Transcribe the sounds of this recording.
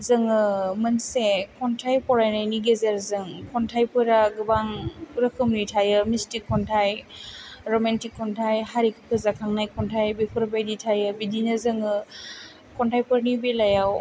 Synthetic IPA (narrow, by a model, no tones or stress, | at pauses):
zɯŋɯmɯnsekʰɔntʰajpɔɾajnajniɡezeɾzɯŋkʰɔntʰajpʰɯɾaɡɯbaŋpʰɯɾɯkʰɯmnɯjtʰajɯmistikʰːɔntʰaj | ɾɔmantikʰːɔntʰajhaɾikʰpʰɯzakʰaŋnajkʰɔntʰajbipʰɯɾbajditʰajɯbidinɯzɯŋɯ | kʰɔntʰajpʰɯɾnibilajaw